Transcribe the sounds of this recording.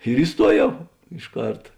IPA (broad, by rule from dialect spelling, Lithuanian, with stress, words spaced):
ɪr ɪˈstuɔˌjɛʊ ɪʃ ˈkɐrtɐ